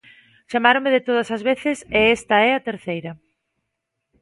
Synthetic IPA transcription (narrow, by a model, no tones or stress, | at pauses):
ʃamaɾomeɪðɪt̪oð̞ɐsɐzβeθɪseɛst̪ɐɛɐt̪eɾθejɾɐ